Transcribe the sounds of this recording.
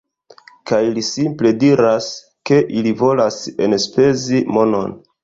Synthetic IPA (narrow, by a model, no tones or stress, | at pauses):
kajlisimple̞diɾas | ke̞ʔilivo̞lasenspe̞zimo̞no̞̰n